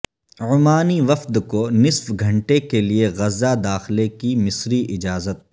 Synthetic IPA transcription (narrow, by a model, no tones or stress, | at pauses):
ʊmaːniʋɐfd̪konɪsfɡʱɐ̃ɳʈekelieɣɐzːad̪aːxlekimɪsɾiʔɪd͡ʒaːzət̪̚